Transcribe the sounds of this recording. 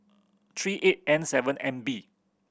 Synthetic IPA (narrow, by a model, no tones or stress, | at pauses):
t̪ʰɹiʔet̚ɛ̃nsɛvə̃nɛ̃nbi